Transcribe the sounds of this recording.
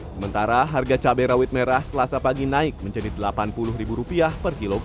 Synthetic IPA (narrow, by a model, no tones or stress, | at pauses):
səmənt̪aɾaɦarɡat͡ʃabɛɾawɪt̪̚meɾahsəlasapaɡinaɪk̚məɲd͡ʒadidəlapanpulʊhɾibuɾupiahpərkiloɡ